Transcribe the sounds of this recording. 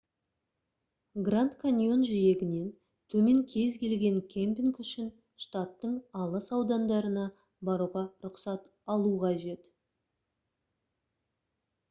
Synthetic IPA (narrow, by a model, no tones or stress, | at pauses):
ɡrant̪kʰanʲjo̞nʒije̞ɡʲɪne̞n | t̪ʰɵme̞ŋkʲʰe̞zkʲe̞lɡʲe̞ŋkʲʰempʲiŋkʏʃɪn | ʃt̪at̪ːəɴɑlˠəsɑwd̪ɑnd̪ɑɾənɑ | bɑɾuʁɑɾʊqsɑt̪ | ɑlˠuʁɑʒe̞t̪